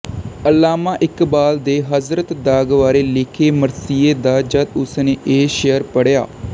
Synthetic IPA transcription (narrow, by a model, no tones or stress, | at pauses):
əlːaːmaːʔɪkbaːld̪eːɦəzɾət̪d̪aːɡʋaːɾeːlɪkʰeːməɾsiːeːd̪aːd͡ʒəd̪ʊsneːʔeːʃəjəɾpəɽja̰ː